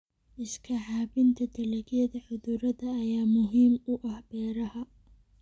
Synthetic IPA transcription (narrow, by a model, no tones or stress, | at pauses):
ʔɪskʰɐħaːbɪnt̪ʰɐd̪ʰɐlɐɡjɐðɐħʊðuːɾɐðɐːjaːmʊɦiːmʊʔɐhbɛːɾɐhɐ